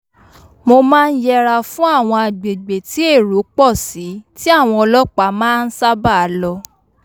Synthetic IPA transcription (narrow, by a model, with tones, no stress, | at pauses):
mo˧mãː˦˧n̩˦jɛ˧ɾa˧fũ˦a˦˨w̃ɔ̃˧a˨ɡ͡be˨ɡ͡be˨ti˨˦e˦˨ɾo˨˦k͡pɔ˦˨si˨˦ti˦a˦˨w̃ɔ̃˧ɔ˧lɔ˦k͡pa˨˦mãː˦˧n̩˦sa˦ba˦˨a˨˦lɔ˧